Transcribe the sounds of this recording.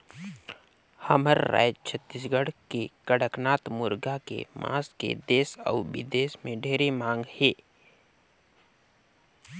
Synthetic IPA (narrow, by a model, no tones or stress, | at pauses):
həməɾːa̰ːd͡ʒt͡ʃʰət̪ːis̬ɡəɽkekəɽəknaːt̪mʊɾɡakḛmʔã̰ːskḛd̪eːsə̰ːbɪ̰d̪eːsmẽɖʱeːɾemãːŋɡheː